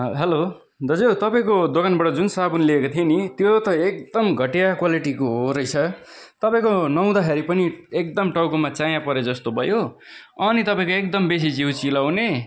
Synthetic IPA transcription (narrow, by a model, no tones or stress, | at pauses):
ɦelo | d̪ʌd͡zewt̪ʌpaĩkod̪okanbʌʈʌd͡zunsabunliekot̪ʰienit̪jot̪ʌek̚d̪ʌmɡʱʌʈijakwaliʈikoɦoɾʌjt͡sʰʌ | t̪ʌpaĩkonʌw̃d̪akʰeɾipʌniek̚d̪ʌmʈʌwkomat͡sajãpʌɾed͡zʌst̪obʱʌjo | ʌnit̪ʌpaĩkoek̚d̪ʌmbes̬id͡ziũt͡silawne